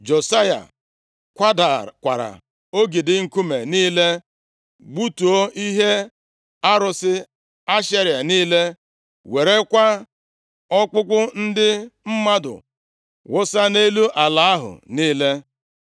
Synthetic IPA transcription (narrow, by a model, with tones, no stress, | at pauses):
d͡ʒo˨sa˦ja̰˨ | kʷa˦da˨kʷa̰˨ɾa̰˨ | o˦ɡi˨dɪ˨ŋ̩˨ku˦me˨niː˦le˦ | ɡ͡bu˦tu˨o˦i˦ɦe˦ | a˦ɾʊ˨sɪ˦ | a˦ʃe˦ɾja˨niː˦le˦ | we˨ɾe˦kʷa˦ | ɔ˦k͡pʊ˦k͡pʊ˦n̩˦dɪ˦m̩˦ma˦dʊ̰˨ | wʊ˦sa˦ne˦lu˦ʔa˨la˨˦a˦ɦʊ̰˨niː˦le˦